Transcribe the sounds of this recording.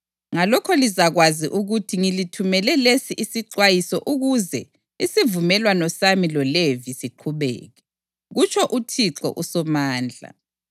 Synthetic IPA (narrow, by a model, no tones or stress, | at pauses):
ŋalɔkʰɔlizaɣwaziʔuɣutʰiŋilitʰumɛlɛlesiʔisiǁwajisɔʔuɣuzɛ | isivumɛlwanɔsamilɔlevisiǃʰuβɛ̰ːɣɛ | ɣut͡ʃʰʼɔʔutʰiǁɔ̰ʔusɔmaːnd͡ɮʱa̰